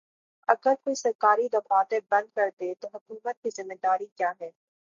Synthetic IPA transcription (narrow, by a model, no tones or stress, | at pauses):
ɐɡəɾkoːisɐɾkaːɾid̪ɐfaːt̪ẽbɐ̃nd̪̚kɐɾt̪et̪oɦʊkuːmət̪̚kizɪmːed̪aːɾikjaːɦɛː